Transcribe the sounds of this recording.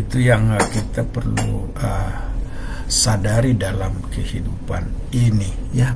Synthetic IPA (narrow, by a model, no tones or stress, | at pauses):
it̪ujaŋkit̪apərlṵ | ə | sadaɾidalamkəhidupaninija